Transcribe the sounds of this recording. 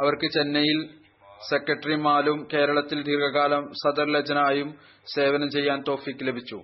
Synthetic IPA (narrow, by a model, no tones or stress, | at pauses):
ɐʋɐrkɨt͡ɕenːɐjil | sekːɐʈːɐrimaːlumke̞ːɾɐɭɐt̪ːild̪ʱirɡʱɐɣaːlɐmsɐd̪ɐrlɐd͡ʑɐnɐaːjum | se̞ːʋɐnɐmt͡ɕe̞jːaːnt̪o̞ːfikːɨle̞bʱit͡ɕːṵ